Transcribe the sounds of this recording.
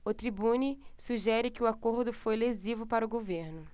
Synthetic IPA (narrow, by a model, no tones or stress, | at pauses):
ʊt̪ɾibũnisuʒɛɾɪkɪwakoɾd̪ʊfojlezivʊpaɾʊɡoveɾnʊ